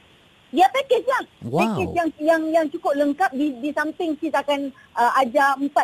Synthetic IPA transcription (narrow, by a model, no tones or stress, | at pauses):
diapakɪslahpakɛsjaŋjaŋjaŋt͡ʃukʊp̚ləŋkap̚didisampɪŋsisakan | ʔəʔad͡ʒampa